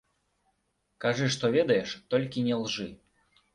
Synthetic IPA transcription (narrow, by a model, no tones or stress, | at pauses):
kaʐɨʂt̪ɔvʲɛd̪ɐjɛʂt̪ɔlʲkʲinʲɛlˠʐɨ